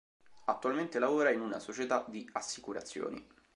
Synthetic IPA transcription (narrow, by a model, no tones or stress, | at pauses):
at̪ːualment̪elavoːɾainuna̰sot͡ʃet̪ad̪iasːikuɾa̰t̪sːjo̰ːnḭ